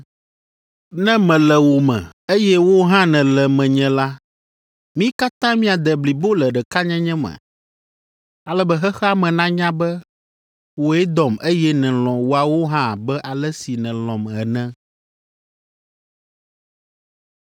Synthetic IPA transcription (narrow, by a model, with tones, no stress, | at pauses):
nɛ̃˦mɛ̃˨lɛ˨wo˨mɛ̰̃˨ | e˦jɛ˦wo˦ɦã˦nɛ̃˨lɛ˨mɛ̃˨ɲɛ̃˨la˦ | mĩ˦ka˦t̪ã˦mĩ˦a˨d̪ɛ˨bli˨bo˦lɛ˨ɖɛ˨ka˦ɲɛ̃˦ɲɛ̃˦mɛ̰̃˨ | a˨lɛ˦bɛ˦ɦɛ˦xɛ˦a˦mɛ̃˨nã˦ɲã˦bɛ˦ | wo˨˦ɛ˦d̪ɔ˨me˦jɛ˦nɛ̃˨lɔ̃˨wo˨a˨wo˦ɦã˦˨bɛ˦ʔa˨lɛ˦si˨nɛ̃˨lɔ̃˨mɛ˨nɛ̃˦